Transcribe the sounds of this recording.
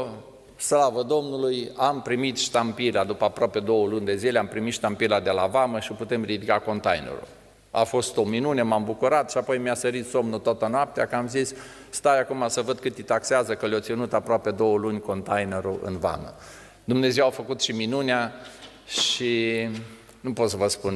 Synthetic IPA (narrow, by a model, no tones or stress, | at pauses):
slavəd̪o̞mnulujampɾimit̪ʃt̪ampilad̪upəapɾoape̞d̪o̞wəlunʲd̪e̞zileampɾimit̪ʃt̪ampilad̪e̞lavaməʃioput̪e̞mrid̪ikako̞nt̪a̰jnḛɾṵ | a̰fo̞st̪o̞minune̞mambukuɾat̪ʃiapo̞jmiasəɾit̪so̞mnut̪oat̪ənoap̚t̪eakəamzisː | t̪ajakumasəvəd̪̚kɨt̪it̪akseazəkəljot̪sinut̪apɾoape̞d̪o̞wəlunʲko̞nt̪ajneɾuɨ̰nva̰mə̰ | d̪umne̞zewafəkut̪ʃiminunea | ʃi | nupo̞t̪səvəspun